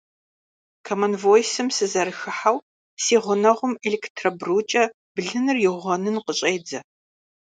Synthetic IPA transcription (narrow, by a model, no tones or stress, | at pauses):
kʰɐmɐnvojsɨmsɨzɐɾɨxɨħaw | siːʁʷʊnɐʁʷʊmelektʰrɐbruːt͡ʃʼɐ | b̥ɨɮɨnɨrjɪʁʷɔnɨnqəɕʼeːd͡zɐ